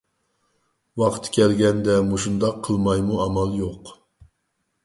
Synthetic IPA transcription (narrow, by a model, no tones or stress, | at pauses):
wɑqt̪ʰkʲɛlɡʲɛnd̪ɛmuʃund̪ɑqʰːəlˠmɑjmuɑmɑlˠjoq